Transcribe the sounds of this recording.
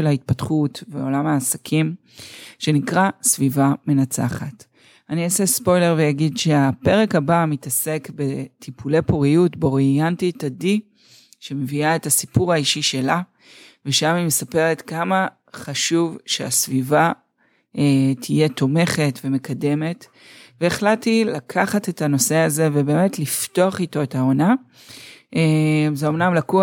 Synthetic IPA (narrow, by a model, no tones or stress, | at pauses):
elhait̪̚patχutveo̞lamaːsakʰim | ʃe̞nikʁasvivame̞nat͡sa̰χat | aniasespo̞jle̞ʁvejaɡidʃe̞ape̞ʁe̞khabamitase̞kbe̞tʰipule̞poʁijutbeo̞ʁiantitadi | ʃe̞me̞viaetasipuʁaiʃiʃe̞la | veʃamimesapeʁe̞tkama | χaʃuvʃea̰sviva | etʰije̞t̪ʰo̞me̞χe̞tve̞me̞kʰade̞me̞t | veeχlatilakʰaχate̞tano̞se̞aze̞vebe̞ːme̞tliftoaχito̞etao̞na | ʔezeo̞mnamlaku